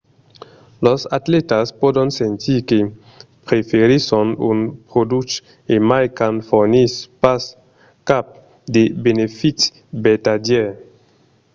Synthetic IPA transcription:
losat̪let̪aspodonsent̪ʰike | pɾefeɾisɔnunpɾod̪ut͡ʃ | emajkanfoɾnispas | kap̚ | d̪ebenefit̪ | bet̪adjɛ

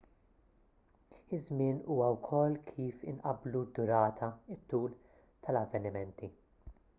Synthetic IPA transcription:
ɪzmɪːnuːwɐwkʰɔlːkʰiːfɪnʔɐbːlud̪ːʊɾɐːt̪ʰɐɪt̪ːuːl | t̪ʰɐlɐvːɛnɪmɛnt̪i

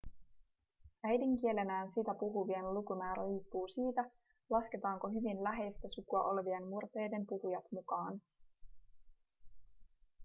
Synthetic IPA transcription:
æjdiŋk̟ie̞le̞næːnsit̪æpuɦuʋienlukumæːɾæriːpːuːsiːt̪æ | lɑske̞t̪ɑːŋko̞ɦyʋinlæɦe̞jst̪æsukuɑʔo̞lʋie̞nmmurt̪e̞jde̞mpuhujɑt̪mukɑːn

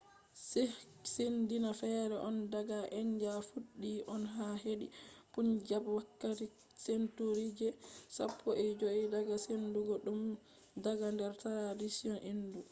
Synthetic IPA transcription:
ssendinafɛɾɛʔɔndaɡaʔɛɲd͡ʒafuɗːiʔɔnɦaɦeɗḭpund͡ʒabwakːati | sentuɾid͡ʒɛsa̰pʰːɔʔɛd͡ʒoidaɡasenduɡɔɗum | daɡandɛɾtaɾadisiɔnʔindu

